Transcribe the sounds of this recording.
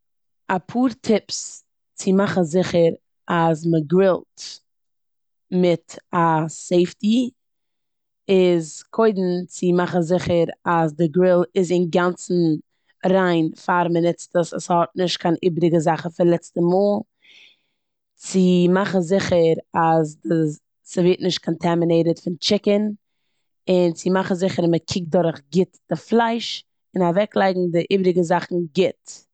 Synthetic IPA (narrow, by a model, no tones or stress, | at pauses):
apʰuːɾtʰɪps | t͡sɪmaχn̩zɪχəɾ | as̬məɡɾɪlˠt | mɪtaseɪfti | ɪzkʰoɪdn̩t͡sɪmaχn̩zɪχəɾasdɪɡɾɪlˠɪzɪnɡant͡sn̩ | ɾaɪnfaɾmənɛt͡stəsashɔt̚nɪʃt̚kʰaɪnʔiːbɾɪɡəzaχn̩fɪɾlˠɛt͡stəmoːlˠ | t͡sɪmaχn̩zɪχəɾasdɪ | səveɪtnɪʃt̚kʰɔntʰɛmɪneɪɾətfɪnt͡ʃɪkən | ɪnt͡sɪmaχn̩zɪχəɾməkʰɪk̚dʊɾχɡɪtd̥ɪflˠaɪʃ | ɪnavɛklˠaɪɡŋ̩dɪʔiːbɾɪɡəzaχn̩ɡɪt